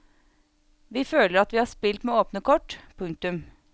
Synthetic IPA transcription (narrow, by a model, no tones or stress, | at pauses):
ʋiːføːləɾɑt̪ʋiːhɑːspɪlt̪meːoːpnəkʰɔʈpʰʉŋk̚t̪ʉm